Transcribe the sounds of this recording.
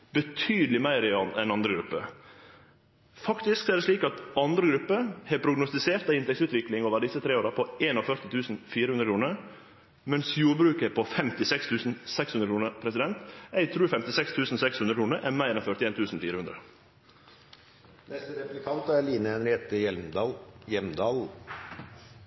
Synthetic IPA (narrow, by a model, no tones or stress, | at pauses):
b̥ət̪ʰyːd̪lɪmæɪɾɪɑnɛnɑnd̪ɾəɡɾʉpːə̰ | fɑkt̪ɪsksɔæːɖ̪ɛsʂliːkɑt̪ɑnd̪ɾəɡɾʉpːəhɛːpʰɾʊɡnʊst̪ɪseːɾt̪ɑɪnt̪ɛksʉːt̪ʋɪklɪŋoːʋəɖ̪ɪsːət̪ʰɾeːoːɾɑpʰɔeːnɔfœɾt̪ɪt̪ʰʉːsn̩fiːɾəhʉnd̪ɾəkʰɾuːnəɾ | mɛnsjuːɾbɾʉːkəpʰɔfɛmt̪ɪsɛkst̪ʰʉːsn̩sɛkshʉnd̪ɾəkʰuːnəpʰɾɛsɪd̪ɛnt̪æɪt̪ʰɾʉːfɛmt̪ɪsɛkst̪ʰʉːsn̩sɛkshʉnɾəkʰuːnəɾʔɛnmæɪɾɛnfœɾt̪ɪeːnt̪ʰʉːsn̩fiːɾəʉnd̪ɾə | nɛst̪əɾɛplɪkʰɑnt̪ɑæliːnəɛnheːt̪əɛ | jɛmd̪ɑːl